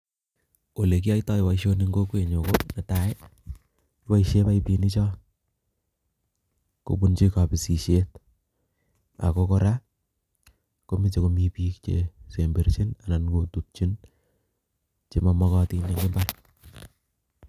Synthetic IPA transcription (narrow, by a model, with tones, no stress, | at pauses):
o˨le˨ki˦a˦itɔ˦ɪ˨wa˨iʃo˦ni˦ŋɡo˦kwe˨ɲo˨kona˨ta˨e˦ | wa˦iʃe˦pa˦ipi˨ni˦t͡ʃɔ˦ | ko̰˨bu˦nt͡ʃi˦ka˨pi˨si˨ʃe˦t̚ | a̰˨ko˦kɔ˦ɾa˦ | ko˦mi˦t͡ʃe˨ko˨mi˨piː˦k̚t͡ʃḛse˨mbe˨ɾt͡ʃi˦na˨na˨nko˨tup̚t͡ʃi˦n | t͡ʃe˦ma˦mɔkɔ˦ti˧nja˨ŋɡɪ˦mba˦r